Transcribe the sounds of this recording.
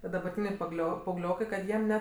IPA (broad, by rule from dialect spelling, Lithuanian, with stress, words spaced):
tʲiɛ dɐbɐrʲˈtʲiːnʲɛɪ pɐˈɡlʲoː pɐɐʊˈɡlʲoːkɐɪ kɐt ˈjiɛm ˈnʲɛ